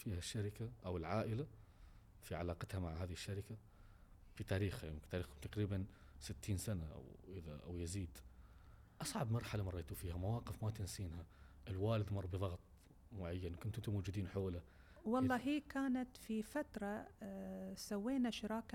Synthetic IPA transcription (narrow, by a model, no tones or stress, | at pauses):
fiːhaʃːaɾɪkaʔawɪlʕaːʔɪla | fiʕalaːqɑt̪hamaʕɦaːðɪɪʃːaɾɪka | fit̪aːɾiːxhajɪmkt̪aːɾiːxkʊmt̪ɑqɾiːban | sɪt̪ːiːnsanaʔa̰wʔɪða̰ʔa̰wjɪziːd̪ | ʔɑsˤʕɑbmɑɾˤħalamɑɾˤːeːt̪ufiːhamawɑːqɪfmat̪ɪnsiːnhaʔɪlwaːlɪd̪mɑrˤːbɨðˤɑɣt̪ˤ | mʊʕajːanwkʊnt̪ʊnt̪ʊmoːd͡ʒʊd̪iːnħoːla | wɑlˤːɑːɦiːkaːnat̪fifat̪ɾˤɑ | sawːeːnaʃɪɾɑːk